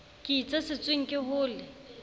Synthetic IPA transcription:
kʼɪt͡sʼɛsɪt͡sʼweŋ̩kʼɪɦʊːlɪ

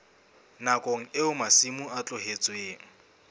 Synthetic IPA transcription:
nakʼoŋ̩ɪʊmasimʊat͡ɬʼʊɦet͡sʼʊeːŋ̩

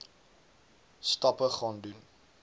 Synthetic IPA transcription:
stɑpəχɑːndun

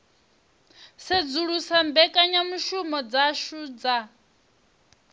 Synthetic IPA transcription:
sed͡zuɺusambɛkʼaɲamuʃumɔd͡zaʃuːd͡za

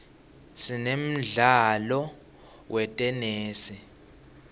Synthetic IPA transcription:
sinem̩ɮalɔ | wɛtʼɛneːsi

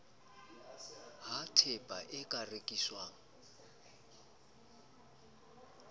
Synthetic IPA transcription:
hatʰɛpʼaʔɪkʼarekʼiswaːŋ̩

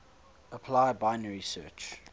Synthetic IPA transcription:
əpʰlaɪəbaɪnəɹisɜ̰t͡ʃ

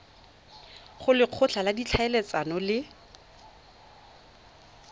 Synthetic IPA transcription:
χʊlɪq͡χʰʊt͡ɬʰaladit͡ɬʰaɛlɛt͡sanɔlɪ

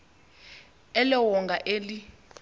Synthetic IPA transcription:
ɛlɛwɔŋɡʱaʔeːli

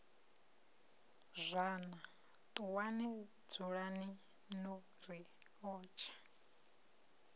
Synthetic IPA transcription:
zʷaːna | t̪ʼuwanɛ | d͡zuɺani | nɔ | ɾi | ɔːt͡ʃʰḁ

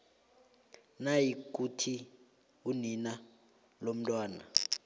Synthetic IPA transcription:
najikʼutʰi | unina | lom̩tʼwaːna̰

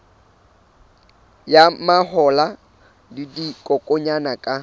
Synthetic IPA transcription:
jamaɦɔla | didikʼɔkʼɔɲanakʼa

